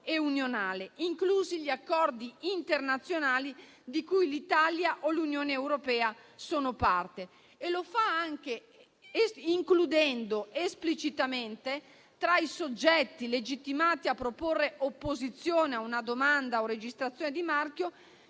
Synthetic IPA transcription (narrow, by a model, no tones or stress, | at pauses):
eunjonaːleiŋkluːziʎiakːɔrd̪iint̪ernat̪sːjonaːli | d̪ikujlit̪aljaʔolunjoːneːwɾopɛːasoːnopart̪e | elofaaŋk̟e | iŋklud̪ɛnd̪oesplit͡ʃit̪ament̪e | t̪ɾaisod͡ʒːɛt̪ːiled͡ʒit̪ːimaːt̪iapːɾoporːeʔopːozit̪sːjoːneaunad̪omand̪aored͡ʒist̪ɾat̪sjoːned̪imark̟jo